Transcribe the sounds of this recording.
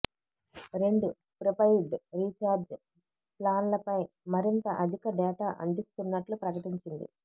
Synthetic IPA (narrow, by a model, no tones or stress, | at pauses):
ɾe̞ɳɖu | pɾopɐjɖɾiːt͡ʃaːɾd͡ʒ | plaːnlɐpɐj | mɐɾint̪ɐʔɐd̪ʱikɐɖɛːʈaːʔɐ̰nd̪ist̪unːɐʈlupɾɐkɐʈiɲt͡ʃind̪ḭ